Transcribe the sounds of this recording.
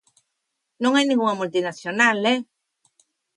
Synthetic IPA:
nõŋajnĩŋɡuŋamult̪inasjonale

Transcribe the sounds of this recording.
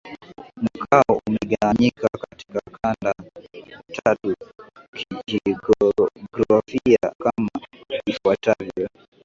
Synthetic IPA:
m̩kʰaɔumɛɠawaɲikakati̥kakʰanda | tʰatukʰii | ɡɾafiakamaifwatavjɔ

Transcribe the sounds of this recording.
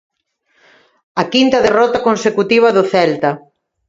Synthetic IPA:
ɐkint̪ɐðerɔt̪ɐkonsekut̪iβ̞ɐðʊθɛlt̪ɐ

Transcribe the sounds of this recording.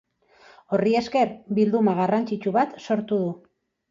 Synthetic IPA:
o̞rie̞ske̞ɾbild̪umaɣ̞arant͡ʃit͡ʃuβat̪so̞ɾt̪uðu

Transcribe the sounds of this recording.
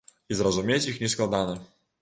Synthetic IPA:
izrɐzumʲet͡sʲixnʲɛsklˠad̪anɐ

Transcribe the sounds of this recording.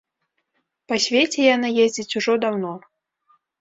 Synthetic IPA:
pasʲvʲet͡sʲɛjanɨjezʲd͡zʲit͡sʲuʐɔd̪awnɔ

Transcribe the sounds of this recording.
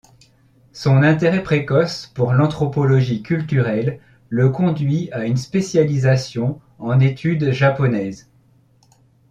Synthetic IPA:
sɔ̃nɛ̃t̪eʁɛpχekɔspuʁlɑ̃t̪χɔpɔlɔʒikʲylt̪yʁɛlː | əkɔ̃d̪ɥiaynspesjalizasjɔ̃ | ɑ̃net̪ʰyd̪ʒapɔnɛz

